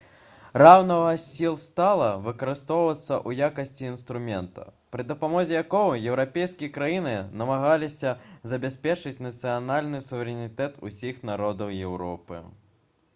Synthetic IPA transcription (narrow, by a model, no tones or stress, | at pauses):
rawnɐvɐsʲilˠst̪alˠɐvɨkɐɾɨst̪ɔwvɐt̪sːɐʔujakɐsʲt͡sʲiːnst̪ɾumʲɛnt̪ɐ̰pɾɨd̪ɐpamɔzʲɛjakɔwɐjɛwɾapʲejskʲijɐkɾajinɨnɐmaɣalʲisʲɐzɐbʲasʲpʲɛt͡ʂɨt͡sʲnɐt̪sɨjanalʲnɨsuvʲɛɾʲɛnʲit̪ɛt̪ʰṵsʲixnaɾɔd̪ɐwjɛwɾɔpɨ̰